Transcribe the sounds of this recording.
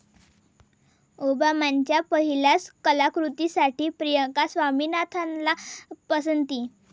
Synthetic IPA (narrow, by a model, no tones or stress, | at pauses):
obamaɲt͡ɕjapəɦilaskəlakɾut̪isaʈiːpɾijəkasʋamiːnat̪ʰanlapəs̬ənt̪iː